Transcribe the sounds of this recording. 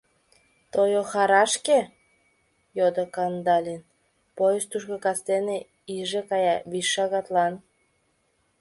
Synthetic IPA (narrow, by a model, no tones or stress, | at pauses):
t̪ojoxɑɾɑʃke | jod̪okɑnd̪ɑlʲin | pojəst̪uʃkokɑst̪ene | iʒekɑjɑβiʃːɑɣɑt̪lɑn